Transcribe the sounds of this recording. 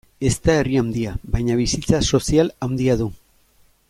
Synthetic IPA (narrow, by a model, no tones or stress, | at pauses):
e̞st̪ae̞riawnd̪iaβajɲaβisit͡saso̞sialawnd̪iaðu